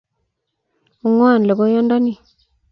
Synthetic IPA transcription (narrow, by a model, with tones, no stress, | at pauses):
u˨ŋwa˦˨n˨le˨ɡo˦jɔ˦nda˦ni˦˨